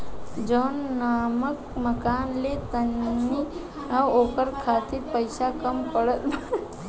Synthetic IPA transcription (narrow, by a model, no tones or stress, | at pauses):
d͡ʒoːnːaməkməkaːnlet̪ənːi | oːkəɾkʰat̪ʰipəjsakəmpəɽət̪b